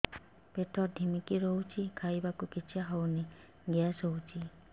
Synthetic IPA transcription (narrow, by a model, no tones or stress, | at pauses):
peʈʰɔd̪ʱimikiɾɔɦut͡ʃʰikʰajbakukit͡ʃʰiaɦɔwne | ɡeasɔwt͡ʃʰi